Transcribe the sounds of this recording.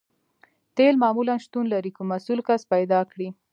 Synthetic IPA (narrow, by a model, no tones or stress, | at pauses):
t̪elmɑmulanʃt̪unlaɾikomasulkaspajd̪ɑkɽi